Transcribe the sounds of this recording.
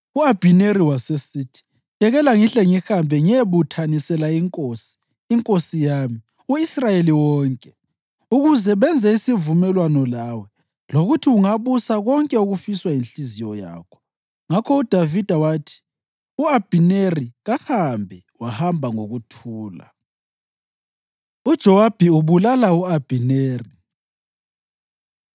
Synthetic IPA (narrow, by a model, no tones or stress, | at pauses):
uab̥ʱineɾiwasesiːtʰi̥ | jɛɣɛlaŋiɬɛŋihambʱɛŋieβutʰanisɛlaiŋkʼosi̥ː | ŋkʼosijaːmi | uisrajeliwɔːŋkʼɛ | uɣuzɛβɛnd͡zʱɛisivumɛlwanɔlawɛ | loɣutʰiuŋaβusaɣɔŋkʼɛuɣufiswajinɬizijɔja̰ːkʰɔ̥ | ŋakʰɔud̥ʱavid̥ʱawaːtʰi̥ | uab̥ʱineriɣahambʱɛ | wahambʱaŋoɣutʰuːla̰ | ud̥ʒ̥ʱɔwab̥ʱiuβulalauab̥ʱineːri